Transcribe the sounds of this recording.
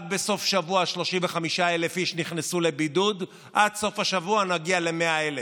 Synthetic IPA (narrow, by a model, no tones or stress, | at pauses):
d̚be̞so̞fʃavuaʃlo̞ʃimveχamiʃaelefiʃniχnesule̞bidud | ʔadso̞fhaʃavuanaɡiale̞meaele